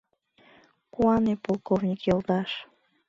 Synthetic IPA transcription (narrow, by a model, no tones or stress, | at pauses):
kuɑnepolˠkovnʲikjɤlt̪ɑʃ